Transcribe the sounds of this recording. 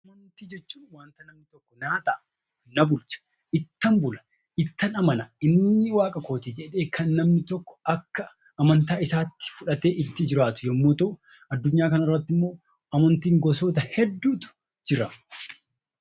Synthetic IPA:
ɐmɐnt̪iːd͡ʒɛt͡ʃːuːnwaːnt̪ɐnɐmnɪt̪ɔkːɔnaːt̪ɐʔɐ | nɐbʊlt͡ʃɐ̥ | ʔɪt̪ːɐmbʊlɐ | ʔɪt̪ːɐnɐmɐnɐɪnːɪwaːkʼɐko̞ːt̪ɪd͡ʒɛᶑe̞ːkʰɐnːɐmnɪt̪ɔkːɔ̥ʔɐkːɐː | mɐnt̪aːɪsaːt̪ːɪ̥fʊᶑɐt̪e̞ːʔɪt̪ːɪd͡ʒɪɾaːt̪ʊ̥jɐmːoːt̪oʔ | ʔɐd̪ːʊɲːaːkɐnɐrːɐt̪ːɪmːo̞ː | ɐmɐnt̪iːŋɡɔsoːt̪ɐhɛd̪ːuːt̪ʊ̥ | d͡ʒɪɾɐ

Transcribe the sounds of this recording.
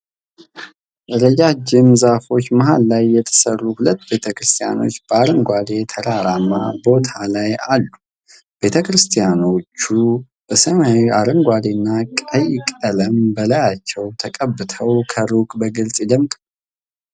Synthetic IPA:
ʔɨɾəd͡ʒad͡ʒɪmzafo̞t͡ʃːməɦalːajːɛt̪ʰə̥sərːuhulət̪ːbe̞t̪ʰəkɾɨst̪ʰija̰no̞t͡ʃːb̥əaɾəŋɡʷad̪e̞t̪ʰəɾaɾama̰bo̞t̪ʰalajalːu | be̞t̪ʰəkɾɨst̪ʰijano̞t͡ʃːu | b̥əsəmaaɾɨŋɡʷad̪enːakʼəjkʼələmbəlajat͡ʃːɛwt̪ʰəkʼəbːɨt̪ʰəwkʰəɾukʼbəɡɨlsʼɛd̪əmkʼ

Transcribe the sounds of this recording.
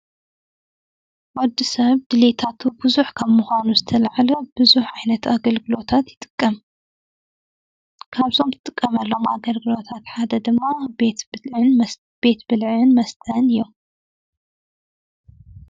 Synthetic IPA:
wɔd̪ːisɐβd̪ɨlet̪ʰat̪ʰubɨzuħkʰɐmːuxʷanuzɨt̪ʰɐlaʕalɐbɨzuħʕajnɐt̪aɡɐlɡɨlo̞t̪ʰat̪jɪ̥t̪ʼɨ̥kʼːɐm | kʰaβzo̞mt̪ʰɨt̪ʼɨkʼːɐmɐlːo̞ma̰ɡɐlɡɨlo̞t̪ʰat̪ħad̪ɐd̪ɨmːabet̪ʕɨn | b̥e̞t̪bɨlʕɨnmɐst̪ʰɐnɨjːom

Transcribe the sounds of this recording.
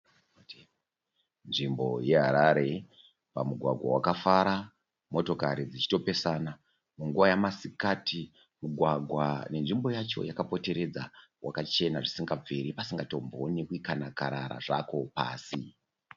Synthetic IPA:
nʐimbo̞̰je̞ɦaɾaɾe̞ | pamuɡʱwaɡʱwa̰wakafaɾa | mo̞to̞kaɾid͡zit͡ʃi̥to̞pe̞sana | muŋɡuʋajamasikatʰi | muɡʱwaɡʱwane̞nʐimbo̞jat͡ʃo̞̰jakapo̞te̞ɾe̞d͡zawʔakat͡ʃe̞naʐisiŋɡab͡veɾipasiŋɡato̞mbo̞nekuikanakaɾaɾa̰ʐako̞pa̰ːsi

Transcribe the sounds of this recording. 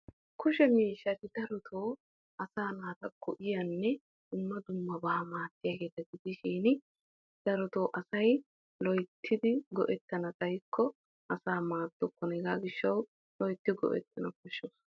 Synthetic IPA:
kʊʃɛmiːʃːɐt̪ɪd̪̥ɐɾɔt̪ʰoː | ʔɐsaːnaːt̪ɐkʰɔʔɪjɐnːɛ | d̪̥ʊmːɐd̪ʊmːɐbaːmaːt̪ːɪjaːɡe̞ːt̪ɐɡɪd̪ɪʃiːnɪ | d̪̥ɐɾɔt̪oːʔɐsɐj | lɔjt̪ʰːɪd̪ɪɡɔʔɛt̪ːɐnɐt͡sʼɐjkʰːɔ | ɐsaːmaːt̪ːɔkːɔnɛɡaːɡɪʃːɐw | lɔjt̪ːɪɡɔ̰ʔɛ̰t̪ːɐnɐkɔʃːɔs

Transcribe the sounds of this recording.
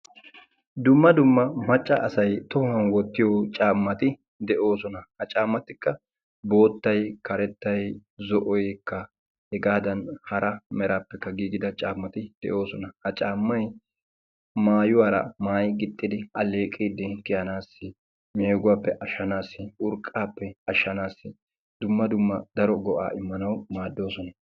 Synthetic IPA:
d̪ʊmːɐd̪ʊmːɐmɐt͡ʃʼːɐʔːsɐjt̪ɔɐnwɔt̪ːɪjot͡ʃʼaːmːɐt̪ɪ | d̪ɛʔo̞ːsɔnɐhɐt͡ʃʼaːmːɐt̪ːɪkːɐ | bo̞ːt̪ːɐjkɐɾɛt̪ːɐjzɔʔɔjkːɐ | hɛɡaːd̪ɐnhɐɾɐmɛɾaːpːɛkːɐɡiːɡɪd̪ɐt͡ʃʼaːmːɐt̪ɪd̪̥ɛ̰ʔo̞ːsɔnɐhɐt͡ʃʼaːmːɐj | maːjʊwaːɾɐ̰maːjɡɪt̪ʼːɪd̪ɪɐleːkʼːiːd̪ɪkɪjɐnaːsːɪ | meːɡʊwaːpːɛʔɐʃːɐnaːsːɪʔʊɾkʼːaːpːɛɐʃːɐnaːsːɪ | d̪̥ʊmːɐd̪ʊmːɐd̪̥ɐɾɔɡɔʔa̰ːʔɪmːɐnɐwmaːd̪ːo̞ːsɔnɐ

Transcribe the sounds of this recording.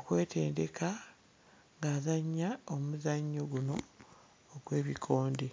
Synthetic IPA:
okwe̞ːtʰḛːnde̞ka | ŋɡaːzaɲːaomuzaɲːo̞ɡuno̞ː | ɡwe̞ːβikʰo̞ːnde

